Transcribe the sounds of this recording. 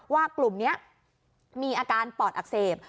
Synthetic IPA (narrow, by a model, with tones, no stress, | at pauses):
waː˧klu˨˩mni˦˥ɐ | miː˧ʔaː˧kaː˧npɔː˨˩t̪̚ʔa˨˩k̚seː˨˩p̚